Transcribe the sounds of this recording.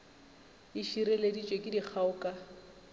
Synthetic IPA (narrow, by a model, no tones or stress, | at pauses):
iʃiɾeledit͡ʃʼwekʼɪdik͡xʰaʊkʼa